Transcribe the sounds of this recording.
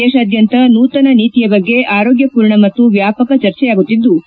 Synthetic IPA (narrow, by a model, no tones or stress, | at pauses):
ɛːʃɐaːd̪ʱjɐnt̪ɐnuːt̪ɐnɐniːt̪ijɐbɐɡːe̞ʔaːɾoːɡjɐpuːɾɳɐmɐt̪ːuʋjaːpɐkɐt͡ʃɐɾt͡ʃɛjaːɡut̪ːid̪ːu